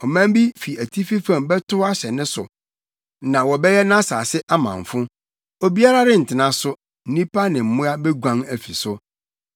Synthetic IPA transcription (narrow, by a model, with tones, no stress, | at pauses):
ɔ˨mã˦m˦bi˦fi˨æ˨tʰi˦fi˦fã˨mbɛ˦tʊ˦a˦ɕɛ˨nɪ̃˦sʊ˨ | nã˨wɔ˨bɛ˦jɛ˦nã˦saː˨sɪ˦ʔa˦mã̰˨ɱ˨fʊ̃˦ | o˨bi˦a˦ɾa˦ɾɪ˦n̩˨tʰɪ˨nã˨˦sʊ˦ | n̩˦nĩ˦pa˦nɪ̃˨m̩˨mʊ̃˦a˦bɛ˦ɡʷã˦ŋæ˨fi˨sʊ˦